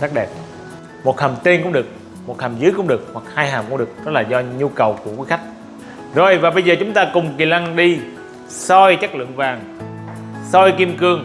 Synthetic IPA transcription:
sa˦˥k̚ɗɛ˨˩p̚ | mo˨˩t̚hə˨˩mt̪i˧nkʊ̰˧˥ŋ͡mɗɨ˨˩ək̚ | mo˨˩t̚hə˨˩mzɨ˨˦jkʊ̰˧˥ŋ͡mɗɨ˨˩ək̚hwa˨˩k̚haː˧jhaː˨˩mkʊ˧˥ŋ͡mɗɨ˨˩ək̚ɗɔ˦˥laː˨˩zɔ˧ɲu˧kə˨˩wku˧˩əkwi˨˦xa˦˥k̟̚ | zo˨˩jvaː˨˩ɓə˧jzəː˨˩t͡ɕʊ˨˦ŋ͡mt̪aː˧kʊ˨˩ŋ͡mki˨˩la˧ŋɗi˧ | sɔ˧jt͡ɕa˦˥k̚lɨ̰˧˨əŋvaː˨˩ŋ | sɔ˧jki˧əmkɨ˧əŋ

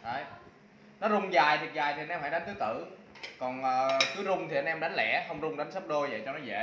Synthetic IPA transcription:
ʔə˨˧˩j | nɔ˨˦zʊ˧ŋ͡mzaː˨˩jt̪ʰi˨˩k̚zaː˨˩jt̪ʰi˨ʔa˧nʔɛ˧mhaː˧˦ɗa˨˦n̟t̪ɨ˦˥t̪ɨ̰˧˩ | kɔ˨˩nʔəː˨˩kɨ˨˦zʊ˧ŋ͡mt̪ʰi˨˩ʔa˧nʔɛ˧mɗa˨˦jŋ̟lɛ̰˧˥xə˧wŋ͡mzʊ˧ŋ͡mɗa˨˦ŋ̟sə˦˥p̚ɗo˧jvə̰˧˨jt͡ɕɔ˧nɔ˨˦zḛ˧˨

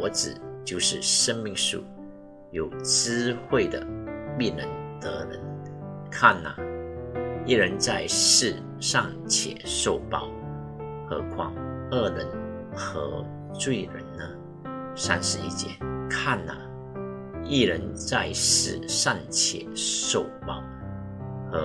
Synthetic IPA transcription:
ɔ˧˥t͡sɹ̩˨˩t͡ɕjo˥˧ʊʂɻ̩˥˩ʂə˥nmi˥˧ŋʂṵ˥˩ | jo˨˩ʊt͡sɹ̩˥xwe˥˩ɪd̪ə̰˩pi˥˩nə˧˥nt̪ɤ˧˥ɻə̰˧˥nkʰa˥˩nːa̰˨˩ | i˥˩ɻə˧˥nt͡sa˥˧ɪʂɻ̩˥˧ | ʂɑ˥˩ŋ | t͡ɕʰjɛ̰˨˩˦ʂo˥˩ʊpɑ˥˩ʊ | xɤ˧˥kʰwɑ˥ŋə˥˩ɻə˧˦˥n | xɤ˧˥ | t͡swe˥˩ɪɻə̰˧˥nnə˧ | sa˦˥nʂɻ̩˧˥i˥t͡ɕjɛ̰˧˦kʰa˥˩nːa̰˨˩ | i˥˩ɻə˧˥nt͡sa˥˧ɪʂɻ̩˥˧ʂɑ˥˩ŋt͡ɕʰjɛ̰˨˩˦ʂo˥˩ʊpɑ˥˩ʊ | xɤ˧˥

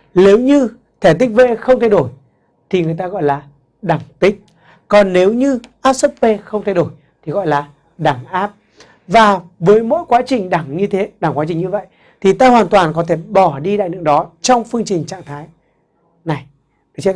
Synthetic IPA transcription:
ne˨˦wɲɨ˧ | t̪ʰɛ˧˩t̪ï˦˥k̟̚ve˧xə˧wŋ͡mt̪ʰa˧jɗo˧˩j | t̪ʰi˨˩ŋɨ˨˩jt̪aː˧ɣɔ̰˧˨jlaː˨˩ | ɗa˧˩ŋt̪ï˦˥k̟̚ | kɔ˨˩nːe˨˦wɲɨ˧ʔaː˦˥p̚sə˦˥p̚ve˧xə˧wŋ͡mt̪ʰa˧jɗo˧˩j | t̪ʰi˨˩ɣɔ̰˧˨jlaː˨˩ | ɗa˧˩ŋʔaː˦˥p̚ | vaː˨˩vəː˨˦jmo̰˧˥jkwaː˨˦t͡ɕï˨˩ŋ̟ɗa˧˩ŋɲɨ˧t̪ʰe˨˦ɗa˧˩ŋkwaː˨˦t͡ɕï˨˩ŋ̟ɲɨ˧və̰˧˨j | t̪ʰi˨˩t̪aː˧hwaː˨˩nt̪waː˨˩nkɔ˨˦t̪ʰe˧˩ɓɔ˧˩ɗi˧ɗa̰ː˧˨jnɨ̰˧˥əŋɗɔ˨˦t͡ɕɔ˧wŋ͡mfɨ˧əŋt͡ɕï˨˩ŋ̟t͡ɕa̰ː˧˨ŋt̪ʰaː˨˦j | na˨˩j | ɗɨ˨t͡ɕ

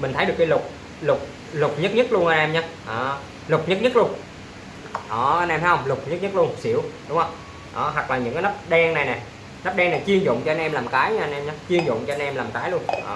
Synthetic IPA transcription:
mï̟˨˩t̪ʰə˨˦jɗəkːaː˨˦lʊ˨˩k͡p̚ | lʊ˨˩k͡p̚ | lʊ˨˩k͡p̚ɲə˦˥t̚ɲə˦˥t̚lu˧ənʔaː˧nʔɛ˧mɲaː˨˦˥ʔaː˨˩ | lʊ˨˩k͡p̚ɲə˦˥t̚ɲə˦˥t̚lu˧ən | ʔɔː˨˩ʔa˧nɛ˧mha˨˦jhə˧wŋ͡mlʊ˨˩k͡p̚ɲə˦˥t̚ɲ˦˥t̚lu˧ənsḭ˧˩əwɗʊ˨˦ŋ͡mhə˧wŋ͡m | ʔa̰ː˨˩ɦwa˨˩k̚laː˨˩ɲɨ̰˧˥ŋkaː˨˦nə˦˥p̚ɗɛ˧ŋna˨˩jnɛ˨˩ | nə˦˥p̚ɗɛ˧ŋna˨˩jt͡ɕi˧əŋzʊ̰˧˨ŋ͡mt͡ɕɔ˧ʔa˧nʔɛ˧mlaː˨˩mkaː˨˦jɲa˧ʔnʔɛ˧mɲaː˨˦t͡ɕi˧əŋzʊ̰˧˨ŋ͡mt͡ɕɔ˧nʔɛ˧mlaː˨˩mkaː˨˦jlu˧ənʔaː˨˩

